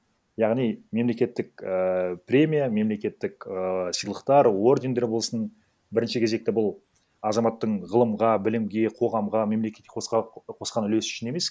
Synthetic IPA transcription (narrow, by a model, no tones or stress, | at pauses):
jɑʁnijme̞mle̞kʲe̞t̪ːɪk̚əpɾʲe̞mʲijame̞mle̞kʲe̞t̪ːɪkəsəjlˠəqt̪ɑɾwo̞rd̪ʲe̞nd̪e̞ɾbo̞lˠsən | bɪɾɪnʃɪkʰʲeze̞k̚t̪ɪbʊlˠ | ɑzɑmɑt̪ːəɴʁəlˠəmʁɑbɪlɪmɡʲe̞qʰo̞ʁɑmʁɑme̞mle̞kʲet̪̚kʲːeosqʰo̞sqɑnʏle̞sʏ̥ʃɪne̞me̞s